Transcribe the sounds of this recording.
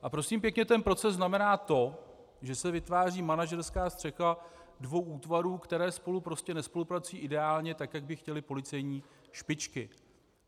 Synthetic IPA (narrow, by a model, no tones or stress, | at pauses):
ʔapɾo̞siːmpjɛkɲɛt̪ɛnpɾo̞t͡sɛzznamɛnaːt̪o̞ | ʒɛsɛvɪt̪vaːriːmanaʒɛɾskaːst̪r̥ɛxadvo̞wʔuːt̪vaɾuːkt̪ɛɾɛːspo̞lupɾo̞scɛnɛspo̞lupɾat͡sujiːʔɪdɛaːlɲɛt̪akjaɡ̚bɪxcɛlɪpo̞lɪt͡sɛjɲiː | ʃpɪt͡ʃkɪ